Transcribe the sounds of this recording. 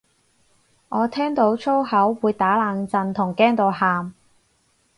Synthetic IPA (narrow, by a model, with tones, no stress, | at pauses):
ʔɔː˨˧t̪ʰɛː˥ŋt̪o˨˥wt͡sʰo˥whɐ˨˥wːuː˨˧jt̪aː˨˥laː˨˧ŋt͡sɐ˧nt̪ʰʊ˨˩ŋkɛː˥ŋt̪o˨˧whaː˨m